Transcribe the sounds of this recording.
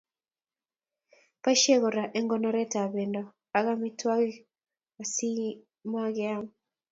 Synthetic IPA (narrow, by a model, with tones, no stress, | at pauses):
pa˦ʃe˦ɣɔ˨ɾa˨ʔe˦ŋɡɔ˦nɔ˦ɾɛ˦ta˨be˨ndɔ˨ | a˨ɣa˦mi˦twa˦ɣ | wa˨si˦ | ma˦ɣɛ˦a˦m